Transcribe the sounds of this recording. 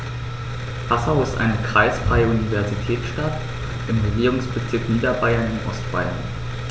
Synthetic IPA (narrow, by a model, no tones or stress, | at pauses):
hasaʊɪstʔa̰ɪnəkʁ̥aɪsfʁ̥aɪəunivɛɐzitʰɛːtsʃtat | ʔɪmʁeɡiːʁʊŋsb̥ət͡sɪɐkniːdɐbaɪɐnɪnʔɔ̰stb̥a̰ɪɐ̰n